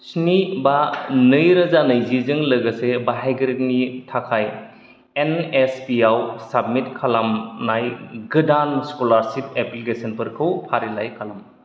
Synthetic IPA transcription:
sinibanɯjɾɐzanɯjzizɯŋlɯɡɐsebaɦajɡɾit̚nitʰakʰaj | enespiawsab̚mitkʰalamnajɡɯdanskolaɾsipeplikesɐnpɯɾkʰɯwpʰaɾilajkʰalam

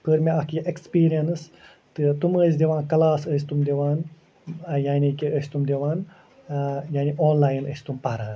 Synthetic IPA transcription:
pʰəɾmʲeɐkjʔekspiːɾijɐns | t̪ɨt̪uməs̬ʲd̪ʲeʋãːnkɐlaːsəːsʲt̪umd̪eʋaːn | jaːnikiəsʲt̪umd̪ʲeʋaːn | jaːniʔoːnlaːjnə̰sʲt̪umpɐɾãːn

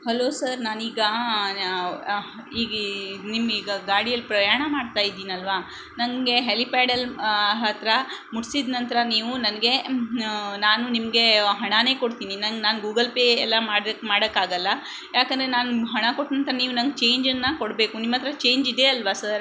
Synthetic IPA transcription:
hɐloːsɐɾnaːniːɡɐ | iːɡnimiːɡɐɡaːɽijɐlːipɾɐjaːɳɐmaːɽt̪aːjid̪ːiːniɐlʋaː | nɐŋɡe̞ɦelipaːɽɐlɦɐt̪ɾɐmuɽsid̪nɐnt̪ɐɾɐniːʋunɐnɡe̞ | naːnunimɐɡe̞ɦɐɳane̞ːkoɽt̪iːninɐnɡnaːnɡuːɡɐlpeɛlːɐmaːɽmaːɽɐkːaːɡɐlːɐ | jaːkɐnd̪ɾe̞naːnuɦɐɳɐkoʈːnɐnt̪ɐɾɐniːʋunɐnɡt͡ʃe̞ːɲd͡ʒɐnːɐkoɽbeːkunimːɐt̪ːɐɾɐt͡ʃe̞ːɲd͡ʒid̪e̞ɐlʋasɐɾ

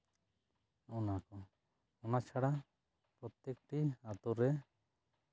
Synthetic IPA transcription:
ɔnakɔ | ɔnat͡ʃʰaɽa | pɾɔt̪jekʈiat̪uɾɛ

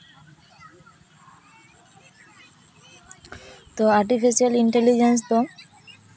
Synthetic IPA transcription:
t̪oaɾʈifiʃialiɳʈelid͡ʑens̬t̪o

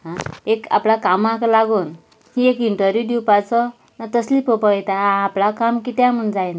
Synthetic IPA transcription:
ɦãeka̰plakamãklaɡuːn | hiekiɳʈəɾjiud̪iwpat͡sɔ | nat̪əslipəpɔɛt̪aãːplakamkit̪jãm̤əɳd͡zajna

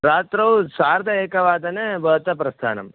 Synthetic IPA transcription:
ɾaːt̪ɾɐwsaːɾd̪ʱɐeːkɐʋaːd̪ɐnebɐɦt̪ɐpɾɐst̪ʰa̰ːnɐ̰m

